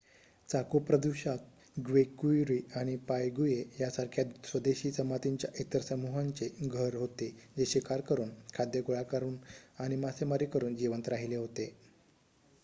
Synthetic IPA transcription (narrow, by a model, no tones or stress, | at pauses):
t͡sakupɾəd̪uɕat̪̚ | ɡʋekujɾiaɽ̃ipajɡujejasaɾkʰjat̪sʋəd̪eɕiːsəmat̪iɲt͡ɕjaʔit̪əɾsəmuɦãɲt͡seɡʱəɾɦot̪ed͡ʑeɕikaɾkəɾuːnkʰad̪jəkuɭakaɾuːnaɽ̃imasemaɾikəɾuːnd͡ʑiʋənt̪ɾaɦileɦot̪e